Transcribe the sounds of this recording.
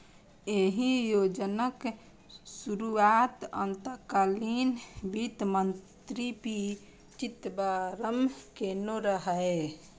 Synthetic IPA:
eɦĩjod͡ʒənək | suɾuat̪ə̰nt̪əkalinbit̪mənt̪ɾipi | t͡ʃit̪baɾəmkenoɾəɦəe

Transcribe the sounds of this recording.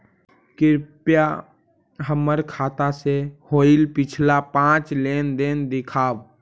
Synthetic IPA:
kɪɾpja | ɦəməɾkʰaːt̪asehoːɪlpɪt͡ʃʰlapãːt͡ʃleːnd̪eːnd̪ɪkʰaːʋ

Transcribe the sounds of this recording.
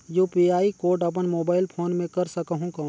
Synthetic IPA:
joːpiːaːikoːɾɖɐp̬ənmoːbaːɪlpʰoːnmẽkɐɾsəkəɦũkɐ

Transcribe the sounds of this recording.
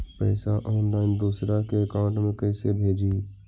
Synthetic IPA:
pɛːsaʔɔːnlaːɪnd̪uːsɾakeəkãːɳʈmẽkɐːsebʱeːd͡ʒiː

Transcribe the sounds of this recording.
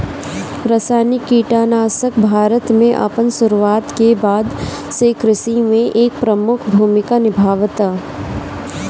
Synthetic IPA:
ɾasaːnɪkːiːʈaːnaːsəkbʱaːɾət̪mẽʔɐ̰pənsʊɾuaːt̪kebaːd̪ | sekɾɪsimẽʔeːk̚pɾəmʊkʰbʱuːmɪkanɪbʱaːʋt̪a

